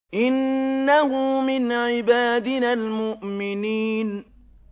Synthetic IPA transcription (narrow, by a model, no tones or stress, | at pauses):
ʔɪnːahʊmɪnʕɪbaːd̪ɪnalmʊʔmɪniːn